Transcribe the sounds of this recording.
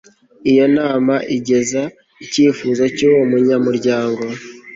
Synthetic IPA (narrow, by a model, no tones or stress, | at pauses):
ijo̞naːmaʔiɟe̞za | iciːfuːzocowomuɲamuɾɟaːŋɡo̞